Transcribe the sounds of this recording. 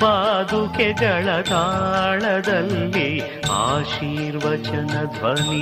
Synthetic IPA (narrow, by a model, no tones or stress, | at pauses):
paːd̪uked͡ʒɐɭɐt̪aːɭɐd̪ɐlːe | aːʃiːɾʋɐt͡ʃɐnɐd̪ʱʋɐni